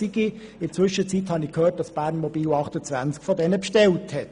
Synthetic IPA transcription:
iɡi | ɪnt͡sʋʏʃət͡sithɑnɪkʰhøːt̚d̥ɑsb̥æːrnmɔbiːlɑχtət͡sʋænt͡skfɔdɛnəpʃtɛlthɛt

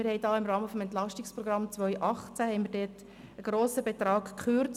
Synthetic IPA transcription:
mɪɾhɛɪdɑːɪmrɑːməfɔmɛnt̪lɑʃtɪkspɾɔɡɾɑmt͡sʋœʏʔɑχt͡sæhɛɪnmiːɾdɛːt | əɡ̥ɾoːsəbet̪ɾɑːɡkχʏɾt͡s

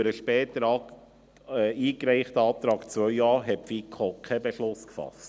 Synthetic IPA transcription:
əɾəʃpɛːt̪əɾɑ | iːkɾɛɪχtəɑːt̪ɾɑːkt͡sʋœʏɑːɾɦɛpfikʰokʰɛbeʃlʊskfɑ̰st

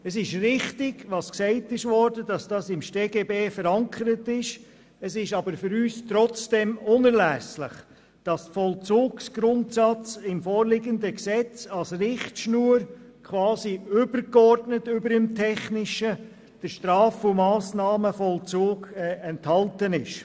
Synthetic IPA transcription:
əsɪʃrɪχtɪɡʋɑsksɛɪtɪʃvɔɾdədɑsd̥ɑːsɪmʃteːɡeːbeːfəɾɑŋkʰəɾətɪʃ | əsɪʃɑbəɾfʏɾyːstɾɔt͡sd̥ɛmʊnəɾlæslɪχ | d̥ɑstfɔlt͡suːksɡ̥ɾʊntsɑt͡sɪmfɔːɾlɪɡəndəksɛt͡sɑlsrɪχtʃnuːəɾkʰʋɑːsiʏbəɾkɔɾdnətʏbəɾəmtʰɛχnɪʃə | d̥əɾʃtɾɑːfʊmɑːsnɑːməfɔlt͡soːɡɛɛnthɑltənɪʃ

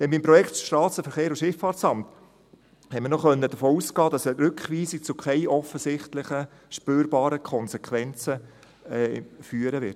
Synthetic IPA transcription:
d̥ɛnbimpɾɔjɛktʃtɑːsəfəɾχeːɾuʃɪfɑːɾsɑmt | hɛɪmɪɾnɔχœnːəd̥əfoːuskɑːd̥ɑsɛɾʏkχʋiːsik̚t͡sʊkʰɛɪʔɔfəsɪχtlɪχə | ʃpøːɾbɑːɾəkʰɔnsɛkʰχʋɛnt͡sə | ɛfyːəɾəʋɪ̰t

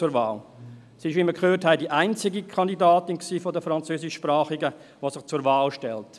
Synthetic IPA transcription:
ʊɾvaːl | sɪʃvʋiməkʰhøːɾthaɪdiʔaɪnt͡sɪɡikʰɑndidaːtɪnksiːfɔdəfɾɑnt͡søːsɪʃʃpɾɑːχɪɡə | ʋosɪχt͡suɾvaːlʃtɛlt

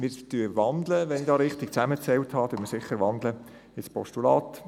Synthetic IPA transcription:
mɪːɾtyəʋɑnd̪ləʋɛnɪdɑːɾɪχt̪ɪk̚t͡sæmət͡sɛlthɑːtuəmɪɾsɪχəɾʋɑnd̪lə | ɪspɔ̰ʃtulɑːt̪

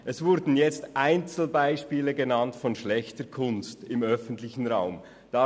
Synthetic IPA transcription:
ʔɛsvʊɾdn̩jɛt͡stʔaɪnt͡sl̩baɪʃpiːləɡenɑntfɔnʃlɛçtəkʰʊnstɪmœfən̩tlɪçən̩ʁaʊm | d̥ɑ

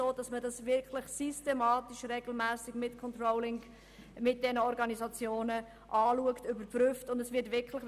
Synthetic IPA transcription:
oːd̥ɑsmədɑsʋɪɾkʰləχsystemɑːtiʃɾeɡl̩mæːsɪɡ̥mɪtkʰɔntɾɔʊlɪŋ | mɪt̚d̥ɛnəɔɾɡɑnizɑt͡sjoːnə | ʔɑːluəktʏbəɾpɾʏftʊndɛsʋɪɾtʋɪkʰləχ

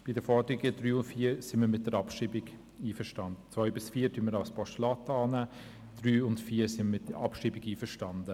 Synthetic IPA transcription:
b̥idəfɔɾd̪əɾiɡədɾyːʊntfiːɾsɪnməɾmɪtd̥əɾɑpʃiːbɪɡ | iːfəʃtɑndət͡sʋœʏbɪsfiːtʰynməɾaʊspɔʃtlɑtɑːnæː | d̥ryːʊntfiːɾsɪmmɪtʔɑpʃiːbɪɡiːfəɾʃtɑndə

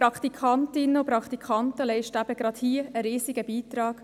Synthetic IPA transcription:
pɾɑkt̪ikʰɑntɪnːəʊpɾɑkχt̪ikʰχɑnt̪əlɛɪʃtæb̥əɡ̥ɾɑt̪hiːəəɾiːsɪɡəbiːt̪ɾɑːɡ̥

